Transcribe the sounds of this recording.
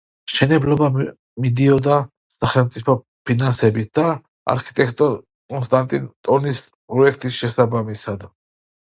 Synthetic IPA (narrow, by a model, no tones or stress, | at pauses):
ʃɛnɛblɔba | mid̪iɔd̪a | saχɛlmt̪sʼipʰɔ | pʰinansɛbit̪̚ʰd̪a | a̰ɾkʰi̥t̪ʼɛkʰt̪ʼɔ | kʼɔnst̪ʼant̪ʼint̪ʼɔnis | pʼɾɔɛkʰt̪ʼisʃɛsabamisad̪